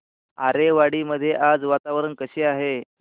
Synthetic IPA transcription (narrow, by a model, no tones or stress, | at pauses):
a̰ɾeʋaɽiːməd̪ʱjeʔad͡zʋat̪aʋɾənkəɕeːaɦe